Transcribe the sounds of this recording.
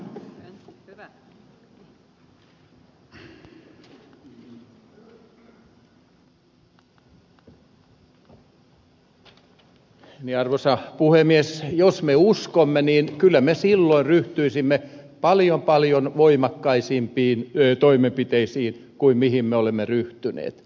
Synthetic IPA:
niɑrʋosɑpuhemiesjosmeuskomːeniːnkylːæmesilːoinryht̪yisimːepɑljompɑljonʋoimɑkːɑisimpiːnːt̪oimempit̪eisiːnkuimmihimmeolemːeryht̪ynḛːt̪

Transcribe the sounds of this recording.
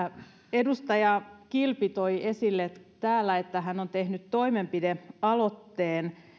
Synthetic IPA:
edust̪ɑjɑkilpit̪oiesilːet̪æːlːæet̪ːæhænont̪ehnyt̪toimempideɑlot̪ːeːn

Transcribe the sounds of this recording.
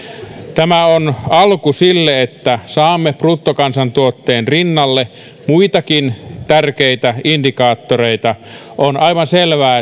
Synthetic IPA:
t̪æmæonɑlkusilːeet̪ːæsɑːmːepruːt̪ːokɑnsɑnt̪uot̪ːeːnrinːɑlːe | muit̪ɑkint̪ærkeit̪æʔindikɑːt̪ːoreit̪ɑʔonʔɑiʋɑnselʋæː

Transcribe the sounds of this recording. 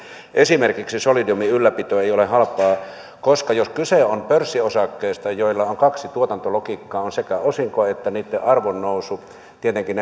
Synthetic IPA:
ʔesimerkiksisolidiumiylːæpit̪øeˑijolehɑlpːˑɑː | koskɑjoskyseompørsːiosɑkːeːst̪ɑjoilːɑoŋkɑksit̪uot̪ɑnt̪olokikːɑːonsekæosiŋkoɑet̪ːæniːt̪ːeʔɑrʋonːousu | t̪iet̪eŋkin

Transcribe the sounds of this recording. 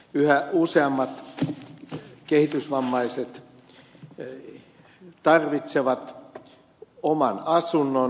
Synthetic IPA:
yhæuseɑmːɑt̪ | kehit̪ysʋɑmːɑiset̪ | t̪ɑrʋit̪seʋɑt̪ | omɑnɑsunːo

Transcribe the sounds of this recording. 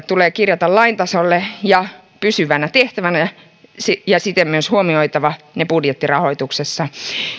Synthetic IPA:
t̪uleːkirjɑt̪ɑllɑint̪ɑsolːejɑ | pysyʋænæt̪eht̪æʋænæ | sijɑsit̪emmyøshuomioit̪ɑʋɑ | nepudjet̪ːirɑhoit̪uksesːɑ

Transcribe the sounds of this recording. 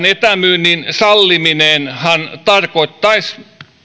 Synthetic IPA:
net̪æmyːnːinsɑlːimineːˑnhɑnt̪ɑrkoit̪ːɑis

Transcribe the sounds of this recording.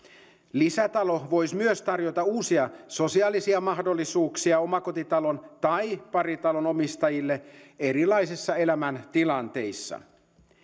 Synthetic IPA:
lisæt̪ɑlo̞ʋo̞jsmyøst̪ɑrjo̞t̪ɑuːsiɑso̞siɑːlisiɑmɑhdo̞lːisuːksiɑomɑko̞t̪it̪ɑlo̞nt̪ɑjpɑrit̪ɑlono̞mist̪ɑjilːee̞ɾilɑisisːɑe̞læmænt̪ilɑnt̪e̞jsːɑ̰

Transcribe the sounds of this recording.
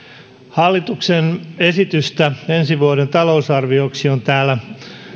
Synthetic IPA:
hɑlːit̪uksene̞sit̪yst̪æensiʋuoɾent̪ɑlousɑrʋioksiont̪æːlːæ

